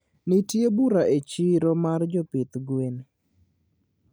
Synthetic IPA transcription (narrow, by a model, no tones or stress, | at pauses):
nitjebuɾaʔet͡ʃiɾɔmard͡ʒɔpɪt̪ɡwen